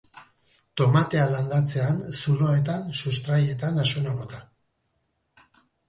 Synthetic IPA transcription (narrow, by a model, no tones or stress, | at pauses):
t̪o̞mat̪e̞aland̪at͡se̞ansuloe̞t̪̬ansust̪ɾaje̞t̪anasunaβo̞t̪a